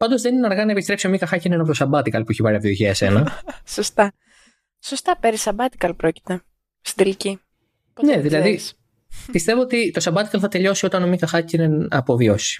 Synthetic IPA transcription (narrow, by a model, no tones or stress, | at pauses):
pɐnd̪o̞zðe̞nineɐɾɣɐnɐepist̪ɾe̞psiomikɐxɐcinenɐpot̪osɐbɐt̪ikɐlpuiçepɐɾiɐvt̪ioçiɐsenɐsost̪ɐ | sost̪ɐpeɾisɐbɐt̪i̥kɐlpɾoci̥t̪e | st̪id̪elici | neðilɐði | pist̪e̞vo̞ot̪it̪osɐbɐt̪i̥kɐlθɐt̪e̞ʎo̞sio̞t̪ɐnomikɐxɐcineɐpo̞vio̞si̥